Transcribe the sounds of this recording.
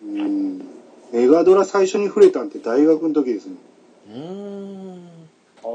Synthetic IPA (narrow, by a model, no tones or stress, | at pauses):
ɯ̃ | me̞ɡad̪o̞ɾasaiɕo̞ɲ̟iɸɯ̟ɾe̞t̪ant̪e̞d̪aiɡakɯnot̪o̞kʲid̪e̞sɨne